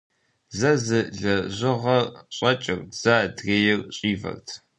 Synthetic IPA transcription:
zɐzɨɮɐʑɪʁɐɕʼɐt͡ʃʼɪrz̥aːdreːjɪrɕʼiːvɐ̰rtʰ

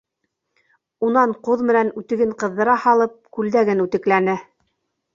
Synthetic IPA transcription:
unɑɴquðmɘ̆nænʉt̪ɘ̆ɡɘɴqɤ̆ðːɤ̆ɾɑhɑlˠɤp̚kʉld̪æɡɘnʉt̪ɘ̆klænɘ

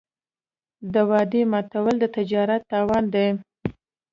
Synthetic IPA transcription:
d̪əwɑd̪emɑt̪awəld̪ət̪ɪd͡ʒɑɾat̪ːɑwɑnd̪aj

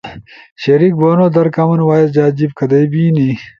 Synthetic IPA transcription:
ɕɐɾiːk̚boːnoːd̪ɐɾkɐmɐnwaːjesd͡ʑaːd͡ʑib̚kʰɐd̪ɐjbiːni

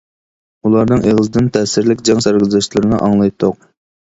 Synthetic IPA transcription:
ulˠɑɾnɨŋʔeʁəzɨd̪ɪnt̪ʰɛsɪɾlɪkʲd͡ʒɛŋsæɾqɨzɨʃlˠɨɾɨnɨʔɑŋlˠɑjt̪ʰːoq̚

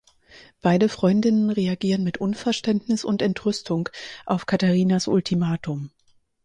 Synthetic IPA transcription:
b̥aɪdəfʁ̥ɔʏndɪnənʁeaɡiːʁənmɪtʔʊnfɛɐʃtɛntnɪsʊntɛntʁ̥ʏstʰʊŋkʔaʊfkʰataʁiːnasʔʊ̰ltʰimaːtʰʊm

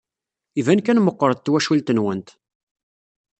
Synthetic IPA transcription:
ivænkænməqːəɾˤd̪̚t̪ːwæʃult̪ənwənt̪

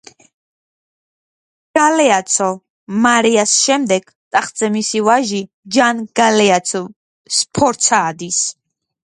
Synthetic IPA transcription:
ɡ̥alɛat̪sʰɔ | maɾiasʃɛmd̪ɛɡ̥ | t̪ʼaχd̪z̥ɛmisivaʒi | d͡ʒanɡ̥alɛat̪sʰɔ | spʰɔɾt̪sʰaːd̪is

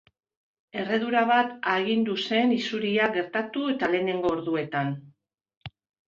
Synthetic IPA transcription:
e̞re̞ðuɾaβat̪aɣind̪use̞nisuɾiaɡe̞ɾt̪at̪ue̞t̪ale̞ne̞ŋɡo̞ːɾðue̞t̪an

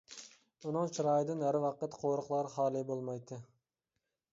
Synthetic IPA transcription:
unɨŋt͡ʃʰiɾɑːjɪd̪ɪnæɾwɑqət̪qʰoɾəqlˠɑɾχɑːlˠɨbolˠmɑjt̪ʰːɨ

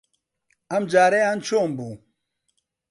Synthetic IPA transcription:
ɐmd͡ʒaːɾeant͡ʃʰombu

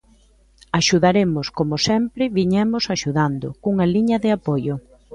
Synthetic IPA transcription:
aʃuðaɾemʊskomʊsɛmpɾɪβiɲɛmʊsaʃuðand̪ʊkuŋɐliɲɐðɪapojʊ

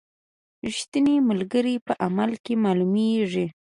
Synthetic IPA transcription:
iʃt̪ənemalɡəɾipəʔamalkemɑlumeʐi

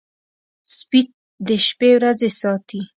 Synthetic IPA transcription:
spit̪̚ | d̪əʃpewɾazesɑt̪i

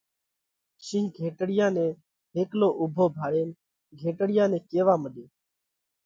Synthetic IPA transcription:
ʃĩːɡʱeːʈɽɪjãːnẽː | ɦeːkloːʔʊbʱoːbʱaːɽeːn | ɡʱeːʈɽɪjãːnɛ̃ːkeːʋaːməɗeː

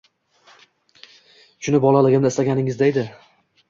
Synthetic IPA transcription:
ʃʊnɪbɒlalɪɡʲɪmnɪst̪aɡʲanɪŋɪzd̪aed̪ɪ

